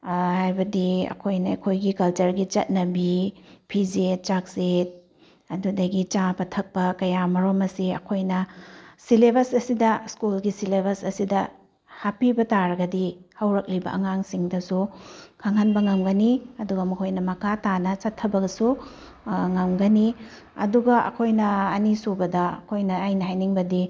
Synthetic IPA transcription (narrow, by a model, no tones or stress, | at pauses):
hajbɐdiɐ̰kʰojnɐɐ̰kʰojɡikɐlt͡ʃɐɾɡit͡ʃɐt̚nɐbipʰid͡ʒet̚t͡ʃak̚set̚ | ɐdudɐɡit͡ʃabɐtʰɐk̚pɐkɐjamɐɾomɐsiɐ̰kʰojnɐsilebɐsɐsidɐskulɡisilebʱɐsɐsidɐ | hapibɐtaɾɐɡɐdihɐwɾɐk̚libɐ̰ʔɐ̰ŋaŋsiŋdɐsukʰaŋhɐnbɐŋɐmɡɐniɐduɡɐmɐkʰojnɐmɐkʰatanɐt͡ʃɐtʰːɐbɐɡɐsu | ŋɐmɡɐni | ɐ̰duɡɐʔɐ̰kʰojnɐːnisubɐdɐɐ̰kʰojnɐːjnɐɦhajniŋbɐdi